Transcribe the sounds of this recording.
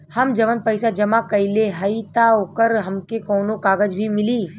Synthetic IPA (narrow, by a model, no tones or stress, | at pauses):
hɐmd͡ʒɐʋənpɐɪsad͡ʒɐmakɐɪleɦɐit̪aokəɾɦɐmkekɔːnokaːɡəd͡ʒbʱimɪliː